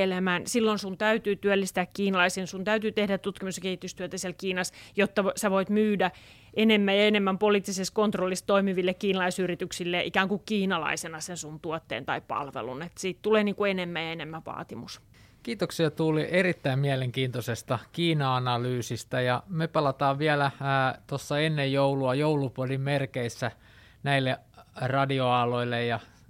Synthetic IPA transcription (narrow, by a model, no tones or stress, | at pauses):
elemænsilːonsunt̪æyt̪yːt̪yølːist̪æːkkiːnɑlɑisensunt̪æyt̪yːt̪ehdætt̪ut̪kimusjɑkehit̪yst̪yøt̪æsiɛlkiːnɑsjot̪ːɑsæʋoit̪myːdæ | ʔenemːæjɑenemːæmpoliːˑt̪ːiseskont̪rolːist̪oimiʋilːekkiːnɑlɑisyrit̪yksilːeʔikæːŋkukkiːnɑlɑ̰isenɑsensunt̪uɔot̪ːḛːnt̪ɑipɑ̰lʋḛlṵnet̪siːt̪t̪uleːniːŋkuenemːæjɑenemːæʋɑ̰ːt̪imus | kiːt̪oksiɑt̪uːlierit̪ːæimmiæleŋkiːnt̪osest̪ɑkiːnɑɑnɑlyːsist̪æjɑmepɑlɑt̪ɑːʋʋiælæt̪osːɑenːejjouluɑjoulupuolimmerkeisːæ | næilːe | rɑdioɑloilːejjɑ